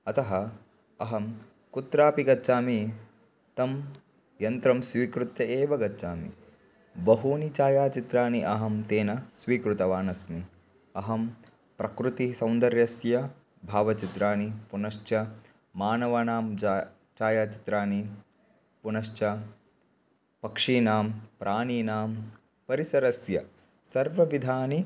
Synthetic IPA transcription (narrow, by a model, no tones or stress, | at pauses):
ɐt̪ɐɦɐ | ɐɦɐm | kut̪ɾaːpiɡɐtːt͡ʃaːmi | t̪ɐm | jɐnt̪ɾɐmsʋiːkɾut̪jɐeːʋɐɡɐtːt͡ʃaːmḭ | bɐɦuːnit͡ʃaːjaːt͡ʃit̪ɾaːniʔɐɦɐmt̪eːnɐsʋiːkɾut̪ɐʋaːnɐsmi | ɐɦɐm | pɾɐkɾut̪isɐ̃wnd̪ɐɾjɐsjɐ | bʱaːʋɐt͡ʃit̪ɾaːnipunɐʃt͡ʃɐ | maːnɐʋɐnaːm | t͡ʃaːjaːt͡ʃi̥t̪ɾaːni | punɐʃt͡ʃɐ | pɐkʂiːnaːmpɾʔaːniːnaːm | pɐɾisɐɾɐsjɐ̰ | sɐɾʋɐʋid̪ʱaːni